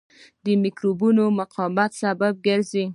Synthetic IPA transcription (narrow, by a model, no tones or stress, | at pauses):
d̪əmikɾobunomʊqʰɔmat̪sabab̚ɡəɾze